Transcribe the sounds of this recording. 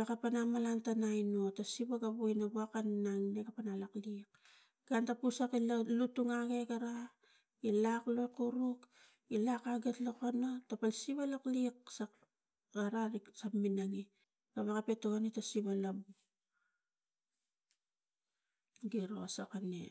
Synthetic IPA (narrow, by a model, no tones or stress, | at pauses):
akapanamalantanajno̞tasiβaɡabuinabuakannaŋnekapanalaklik | ɡ̥antapusakillutuŋaɡeɡaɾa | ilaklo̞jkuɾuk | ilakaɡetlokanotapalsiβalakliksa | ɡaɾaɾisapminaŋi | kaβakape̞toanitasiβalabu | ɡiɾoasakanḛ